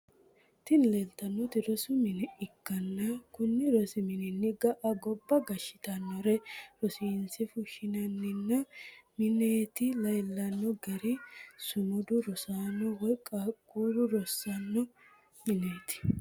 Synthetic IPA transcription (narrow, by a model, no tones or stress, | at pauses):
t̪ɪnlelt̪ɐnːɔt̪ɪɾɔsʊmɪnɛɪkːɐnːɐkʊnːɪɾɔsɪmɪnɪnːɪɡɐʔɐɡɔbːɐɡɐʃːɪ̥t̪ɐnːɔɾɛɾɔsinsɪfʊʃɪnɐnːɪnːɐmɪneːt̪ɪlɐjlːɐnːɔɡɛɾɪsʊmʊd̪ʊɾɔsaːnːɔwɔjkʼakʼːuːɾʊɾɔsːɐnːɔ | mɪneːt̪ɪ̥